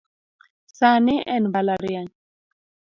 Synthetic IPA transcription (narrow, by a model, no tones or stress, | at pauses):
saneʔɛnbalaɾian